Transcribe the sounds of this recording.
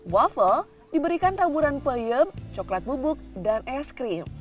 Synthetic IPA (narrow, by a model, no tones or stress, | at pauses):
wafəl | dibəɾikant̪abuɾanpəjəmt͡ʃɔklat̪̚bubʊk̚danʔɛskɾim